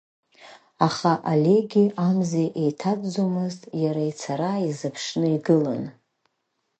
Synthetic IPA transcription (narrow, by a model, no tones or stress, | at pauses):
aχaʔale̞ɡʲiamzeʔejtʰadd͡zomɨztʼjaɾait͡sʰaɾaizɨpʰʂnɨiɡɨlan